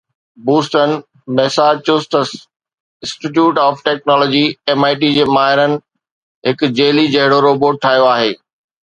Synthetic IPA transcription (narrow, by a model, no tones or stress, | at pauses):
buːsʈən | mɛsaːt͡ɕʊsʈəs | ɪ̃sʈiʈ̬juːʈaːfʈɛːk̚nɔːlɔːd͡ʑieːmaːɪʈ̬id͡ʑeːmaːɦɪɾənɪ̆ | ɦɪk̆d͡ʑeːlid͡ʑɐɦɪɽoɾoːboːʈ̚ʈʰaːjoaːɦeː